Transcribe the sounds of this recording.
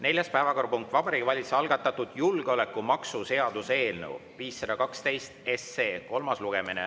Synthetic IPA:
ne̞lʲjɑspæevɑko̞ɾrpuŋk̚t̪vɑb̥ɑɾiɡvɑlʲit̪sɑlɡ̥ɑt̪ːˑɑt̪ːud̪̥julɡ̥eo̞le̞kːˑumɑksuse̞ɑd̪̥use̞ːlnḛwviːsːɑd̪̥ɑkɑkst̪e̞jst̪e̞sːe̞ːko̞lmɑsluɡ̥e̞mine

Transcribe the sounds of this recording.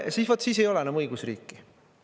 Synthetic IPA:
siːsvot̪ːˑsiːs̬e̞jo̞lɛnæmɤjɡ̥usrḭːkːˑi

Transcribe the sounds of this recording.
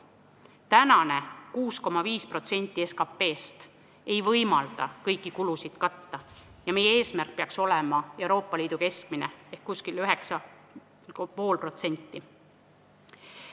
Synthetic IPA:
t̪ænɑne̞kuːsko̞mɑviːspro̞t̪se̞nʲt̪ːˑieskɑpːe̞ːst̪ | e̞jvɤjmɑld̪̥ɑ̰kɤjkːˑikulusid̪̥kɑt̪ːɑjɑme̞jee̞ːsmærk̚peɑkso̞lemɑe̞uɾo̞ːpːˑɑliːd̪̥uke̞sk̚mine̞ehkkuskilyɦe̞ksɑ | po̞ːlpro̞t̪se̞nʲt̪ˑːi

